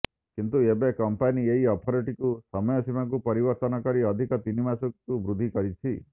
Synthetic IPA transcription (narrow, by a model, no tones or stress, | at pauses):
kint̪uebekɔmpanieɦiɔt̪ʰɔɾiʈikusɔmɔjɔsimak̬upɔɾibɔɾt̪ɔnɔkɔɾiɔd̪ʱikɔt̪inimasukubɾud̪ʱikɔɾit͡ʃʰi